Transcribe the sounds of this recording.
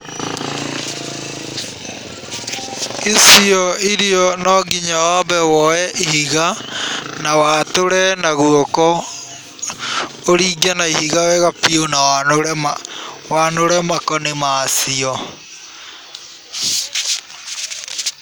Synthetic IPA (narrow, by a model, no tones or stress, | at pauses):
isiɔiɾiɔnɔɡiɲaabɛwɔjɛʔihiɣa | nawatoɾɛnaɣuokɔ | oɾiːɡanaihiɣawɛɣapionawanoɾɛmawanoɾɛmakɔnemaːsiɔ